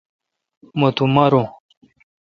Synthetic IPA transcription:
mot̪umɐɾõ

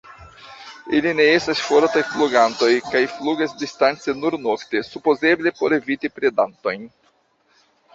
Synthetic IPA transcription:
ilineestasfoɾtajfluɡanto̞jkajfluɡasdistant͡senuɾnokte̞supoze̞ble̞po̞ɾe̞vitipɾedanto̞jn

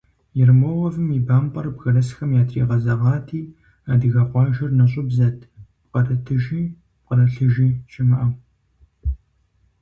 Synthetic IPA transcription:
jɪrmoʁɐvɨmiːbaːmpʼɐrbɣɐlɐsxɐmjaːtʰiːʁɐzɐʁɑːtʰiː | aːdɨɣɐqʷɑːʒɐrnɐɕʼʊbzɐtʰpqɐtʰɐtʰɨʒiː | qɐɾɐɬɨʒiːʃɪmɨʔɐw

